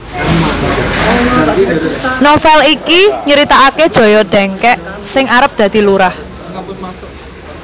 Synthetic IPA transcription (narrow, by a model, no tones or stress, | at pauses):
nofɛlikiɲəɾit̪aaked̥ʒ̥ɔ̤jɔɖ̥ɛ̤ŋkɛʔsɪŋaɾəp̚d̪̥ä̤d̪̥i̤luɾah